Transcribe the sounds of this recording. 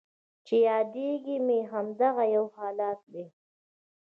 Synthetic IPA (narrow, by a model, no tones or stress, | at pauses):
t͡ʃejɑd̪eɡimeɦamd̪aɣajawhɑːlɑːt̪̚d̪e